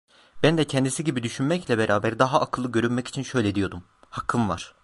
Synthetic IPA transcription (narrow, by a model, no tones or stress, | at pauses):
bænd̪ɛcʰɛnd̪isiɟibid̪yʃynmɛclʲɛbeɾʔaːbæɾd̪aɦaʔːkʰɯlˠːɯɟø̞ɾynmɛci̥t͡ʃʰinʃø̞jlʲɛd̪ijo̞d̪um | hakʰːɯmva̰ɾ̥